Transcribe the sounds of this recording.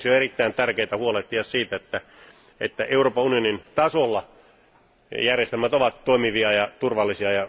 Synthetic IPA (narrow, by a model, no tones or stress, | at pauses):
sjoerit̪ːæint̪ærkeit̪æhuolet̪ːiɑssiːt̪æet̪ːæ | ḛt̪ːæʔeuroːpɑunionint̪ɑsolːɑ | jærjest̪elmæt̪oʋɑt̪toimiʋiɑjɑt̪urʋɑlːisiɑjɑ